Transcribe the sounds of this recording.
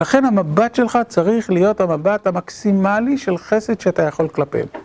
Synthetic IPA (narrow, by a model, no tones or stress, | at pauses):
laχe̞nhamabatʃe̞lχat͡saʁiχlijo̞thamabathamaksimaliʃe̞lχe̞se̞d̪ʃeatajaχo̞lklapḛm